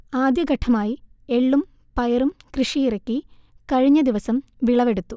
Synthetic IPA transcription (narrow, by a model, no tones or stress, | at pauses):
aːd̪jɐɡɐʈʰɐmaːjie̞ɭːum | pɐjɐɾumkrɨʂijiɾɐkʲːikɐɻiɲːɐd̪iʋɐsɐmʋiɭɐʋeɽut̪ːu